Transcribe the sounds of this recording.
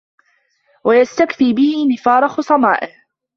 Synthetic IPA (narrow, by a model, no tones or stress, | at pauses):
wajast̪akfiːbɪhɪnɪfɑːɾˤɑxʊsˤɑmaːʔɪh